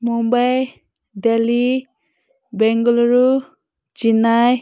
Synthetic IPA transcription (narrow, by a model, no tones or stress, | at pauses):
mumbaj | deli | bɛŋɡɔlɔɾu | d͡ʒinaj